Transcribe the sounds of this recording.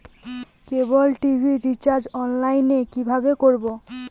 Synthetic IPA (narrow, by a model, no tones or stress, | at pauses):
kebolʈibʱiɾit͡ɕaɾd͡ʑɔnlajnekibʱabekoɾbo